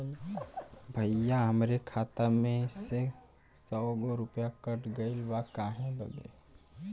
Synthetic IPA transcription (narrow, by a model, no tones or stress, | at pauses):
bʱəjaɦəmɾekʰaːt̪amẽse | sɔːɡoɾʊpjakəʈɡəɪlwakaːɦẽbə̰ɡḛː